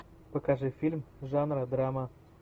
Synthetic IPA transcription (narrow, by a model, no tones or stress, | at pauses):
pəkaʐɨfʲilʲmʐanɾəd̪ɾamə